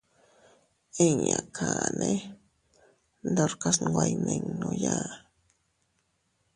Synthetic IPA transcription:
eɲakʰane | nd̪oɾkaswajmeŋnoja

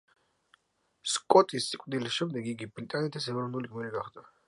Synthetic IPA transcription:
skʼɔt̪ʼisikʼd̪ilisʃɛmd̪ɛɡiɡibɾit̪ʼanɛt̪ʰisɛvɾɔnuliɡmiliɡaχd̪a

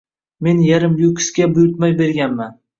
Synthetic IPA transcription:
me̞njaɾɪmjʊkʰʲɪ̥skʲabʊjʊɾt̪̚majbe̞ɾɡʲanman

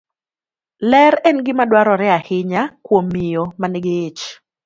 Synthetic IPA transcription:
lɛɾɛnɡɪmadwaɾɔɾɛahɪɲakwomːɪjomanɪɡɪt͡ʃ

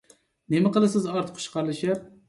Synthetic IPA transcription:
nemɪqəlˠɨsɪzɑɾt̪ʰɨ̥p̚ʰʊ̥ʃʰqʰɑɾlˠɨʃap̚

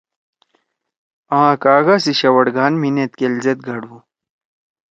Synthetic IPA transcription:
ãːkaːɡasiɕɐwɐɽɡaːnminet̪kelzet̪̚ɡʱɐɽũ

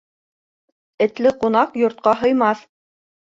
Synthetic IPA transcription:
ɘ̆t̪lɘqunɑqjŏɾt̪̚qɑɦɤ̆jmɑθ

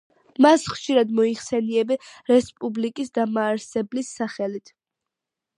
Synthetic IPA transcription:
masχʃiɾad̪mɔiχsɛniɛbiɾɛspʼublikʼisd̪amaːɾsɛblisːaχɛlit̪ʰ

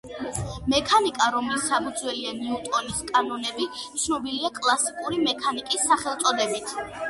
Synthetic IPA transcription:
mɛkʰanikʼaɾɔmlisːapʰud̪zwɛlianɛut̪ʼɔniskʼanɔnɛbit̪sʰnɔbiliakʼlˠasikʼuɾimɛkʰanikʼisːaχɛlˠt̪sʼɔd̪ɛbit̪ʰ

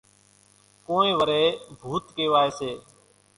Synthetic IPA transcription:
koːẽːʋəɾeːbʱuːt̪keːʋaːeːseː

